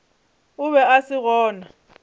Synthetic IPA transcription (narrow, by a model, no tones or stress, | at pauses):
ʊβɛasɪɣɔːna